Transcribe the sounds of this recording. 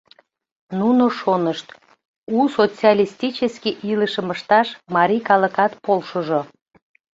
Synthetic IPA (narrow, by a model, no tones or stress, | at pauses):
nunoʃonəʃt̪ | usot͡siɑlʲist̪it͡ɕəskiʔiləʃəməʃt̪ɑʃmɑɾʲikɑləkɑt̪polʃoʒo